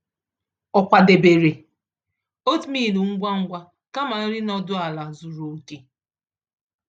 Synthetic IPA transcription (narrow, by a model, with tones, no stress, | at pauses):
ɔ˨kʷa˨de˨be˨ɾe˨ | o˦tmi˦˨nu˨ŋ̩˦ɡʷa˦ŋ̩˦ɡʷa˦ | ka˦ma˨˦ɾɪ˦nɔ˦dʊ˦a˨la˨zu˨ɾo˨ti˦